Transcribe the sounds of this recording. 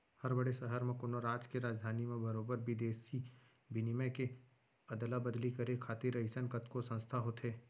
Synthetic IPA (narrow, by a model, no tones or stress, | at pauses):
hɐɾbɐɽesəɦəɾmẽkʊnoɾaːd͡ʒkeɾaːd͡ʒd̪ʱaːnimẽbɐɾoːbəɾbʱid̪eːsi | bɪnimẽke | ɐd̪əlabɐd̪likɐɾekʰaːt̪iɾɐɪsənkɐt̪kosɐ̃nst̪ʰaɦot̪eː